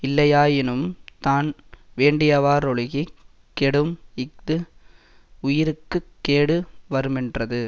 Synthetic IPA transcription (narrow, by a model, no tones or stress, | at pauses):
ɪlːɐjaːjɛnɯmt̪aːnʋeːɳɖɪjɐʋaːɾɔɻɪɣi | kːɛɽɯmɪk̚t̪ɯ | ʊjɪɾɯkːɯkːeːɽɯʋɐɾɯmɛndrɐðɯ